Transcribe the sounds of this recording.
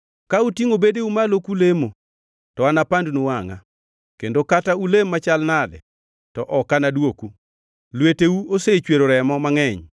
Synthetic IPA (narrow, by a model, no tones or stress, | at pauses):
kautiŋobedeumalokulemo | tɔanapandunowaŋa̰ | kendokataulemːat͡ʃalnadɛ̰ | tɔʔɔkanadwoku | lweteuoset͡ʃweɾoɾɛmɔmaŋɛɲ